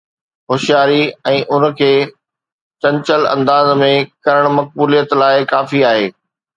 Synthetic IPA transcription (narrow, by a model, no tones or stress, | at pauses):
xʊʃijaːɾiɛ̃ːʔʊn̆kʰeː | t͡ɕɐ̃ɲt͡ɕəlɐ̰̃nd̪aːzmẽkɐɾəɽ̃mɐk̚buːlijət̪laːɪkaːfiaːɦeː